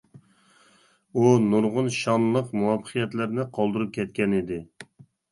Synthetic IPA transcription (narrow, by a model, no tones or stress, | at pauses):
unuɾʁʊnʃɑnlˠəqmuwɑpʰəqʰijɛt̪lɪɾnɪqʰɑlˠd̪ɨɾup̚kʲʰɛt̪̚kʲɛnɪd̪ɪ